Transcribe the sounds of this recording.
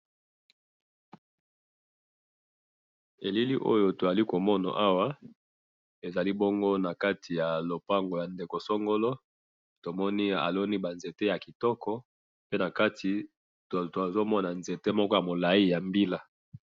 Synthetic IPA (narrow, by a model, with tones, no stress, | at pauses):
e˨li˦lḭ˦ʔo̰˦jo˨to˨za˨li˦ko˨mɔ˦na̰˨ʔa˦wa˦ | e˨za˨li˦bo˦ŋɡo˦na˨ka˦tʰi˨ja˨lo˨pa˦ŋɡo˨ja˨nde˨ko˨sɔ˦ŋɡo˦lɔ˦ | to˨mɔ˦ni˦a̰˨lo˦ni˦ba˨nze˨te˦ja˨ki˨tɔ˦kɔ˦ | pe˦na˨ka˦tʰi˨ | to˨a˨zo˦mɔ˦na˨nze˨te˦mɔ˦kɔ˦ja˨mo˨la˨i˦ja˨mbi˦la˦